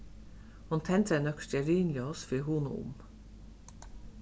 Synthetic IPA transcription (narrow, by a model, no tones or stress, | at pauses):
hʊnt̪ʰɛnt̪ʰɛnœkʃt̪ɛɾyːnlɪɔsfiɦuːnʊ̰ʊ̰m